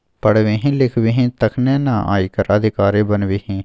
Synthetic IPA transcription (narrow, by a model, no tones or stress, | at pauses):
pəɽʋẽːɦĩːlɪkʰʋiːɦĩːt̪əkʰnẽːnãːʔa̰ːiːkəɾəd̪ʱɪkaːɾẽːbənʋiːɦĩː